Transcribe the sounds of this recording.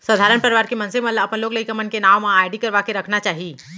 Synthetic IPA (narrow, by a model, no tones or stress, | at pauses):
səd̪ʱaːɾənpəɾɪʋaːɾkemɐ̃nsemɐt̪ləbɐpənloːɡlɐikəmənkenaːmːãaːɪɖikɐɾʋakeɾɐkʰnat͡ʃaːɦi